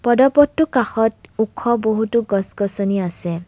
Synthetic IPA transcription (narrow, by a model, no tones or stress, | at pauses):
pɔdɔpɔtːukaxɔtukʰːɔboɦutuɡɔsɡɔsɔniase